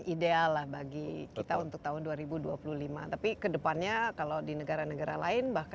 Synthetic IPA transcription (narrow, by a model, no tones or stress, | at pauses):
idealːahbaɡikit̪aunt̪ʊk̚t̪aɦʊnduaɾibuduapuluhlimat̪apikədəpanɲakalodinəɡaɾanəɡaɾa̰la̰ɪnbahk